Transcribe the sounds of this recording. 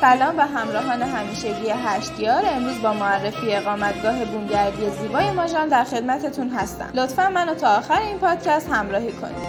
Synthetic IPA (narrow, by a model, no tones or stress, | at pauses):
fælɒːnvæɦæmɾɒːɦɒːne̞ɦæmiːʃeɟije̞ɦæʃt̪jɒːɾe̞mɾuːzbɒːmoærːe̞fiːe̞ɣɒːmæt̪ɡɒːɦe̞bumɟæɾd̪ije̞ziːbɒːje̞mɒːʒɒːnd̪æɾxe̞d̪̚mæt̪ʰe̞t̪ʰunɦæst̪æ̰mlo̞t̪fænmːænot̪ʰɒːxæɾeiːnpʰɒːd̪̥cʰæst̪hæmɾɒːhiːkʰo̞̰ni̥ː